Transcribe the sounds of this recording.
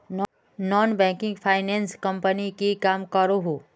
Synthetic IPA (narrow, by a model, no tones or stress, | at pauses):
n | nɔːnbɛ̃ːkɪ̃ŋɡpʰaːɪnẽːnskɐ̃mpənikikaːmkəɾoɦo